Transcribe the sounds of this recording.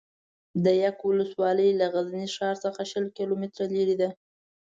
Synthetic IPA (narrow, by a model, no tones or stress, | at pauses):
d̪əjakwʊləswɑləjlaɣazniʃɑɾsəxaʃəlkilomɪt̪ɾaleɾid̪a